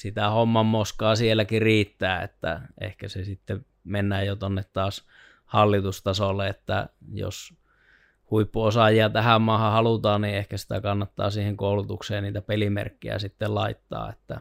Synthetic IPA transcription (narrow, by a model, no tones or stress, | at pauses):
sit̪æhomːɑmːoskɑːsielːˑækiriːt̪ːæːḛt̪ːæ̰ʔḛhkæsesit̪ːe | menːæjjot̪onːet̪tɑːs | hɑlːit̪ust̪ɑsolːeet̪ːæ̰jo̰s | huipːuosɑjiɑt̪æhæmmɑːhɑhɑlut̪ɑːnniehkæsi̥t̪æ̰kɑnːɑt̪ːɑ̰ːsiːheŋkoˑulut̪ukseːnniːt̪æpelimḛrkːḭæ̰sit̪ːellɑit̪ːɑ̰ːḛt̪ːæ̰